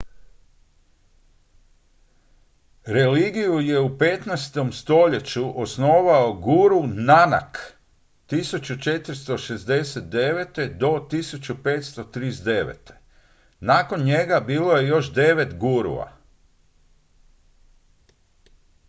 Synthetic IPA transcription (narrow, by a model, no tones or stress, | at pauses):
ɾe̞liːɡijuje̞upet̪najst̪o̞mst̪o̞ʎe̞t͡ɕuʔosno̞ːʋaoɡuɾunana̰k | t̪isut͡ɕut͡ʃe̞t̪ɾst̪o̞ʃe̞zd̪e̞set̪̚d̪e̞ʋet̪e̞d̪o̞t̪isut͡ɕupe̞ːt̪st̪o̞t̪ɾisd̪e̞ʋḛt̪e̞̥ | naːko̞nɲe̞ɡabiːlˠo̞je̞jo̞ʃd̪e̞ʋe̞t̪ɡuɾṵa̰